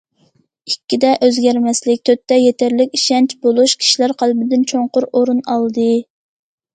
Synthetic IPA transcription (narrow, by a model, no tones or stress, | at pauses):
ikʲːid̪ɛʔøzɡʲæɾmɛslɪk̚ʲt̪ʰøt̪ːɛjet̪æɾlɪkʲiʃɛnt͡ʃbolˠuʃkʲʰi̥ʃilæɾqʰælbɪd̪ɪnt͡ʃʰoɴqʊɾoɾunɑlˠd̪ɨ